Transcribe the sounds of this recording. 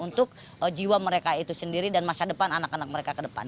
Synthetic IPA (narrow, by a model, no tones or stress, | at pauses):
unt̪ʊk̚ | əd͡ʒiwaməɾekait̪usəndiɾidanmasadəpananakanak̚məɾekakədəpa̰n